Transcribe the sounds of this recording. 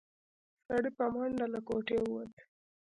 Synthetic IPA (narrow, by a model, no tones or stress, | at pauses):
saɽipamhʊɳɖalakoʈewwat̪